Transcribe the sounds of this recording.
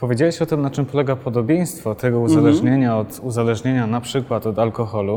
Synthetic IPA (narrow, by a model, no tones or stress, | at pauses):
pɔvʲjed͡ʑawɛɕɔt̪ɘmnat͡ʂɘmpɔlɛɡapʰɔd̪ɔbʲjej̃st̪fɔt̪ɛɡɔuzalɛʐɲeɲaɔt̪uzalɛʐɲeɲanapʂɘkwat̪ɔd̪alkɔxɔlu